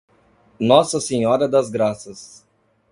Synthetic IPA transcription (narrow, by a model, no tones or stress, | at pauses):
nɔsɐseɲɔɾɐd̪ɐzɡɾasɐs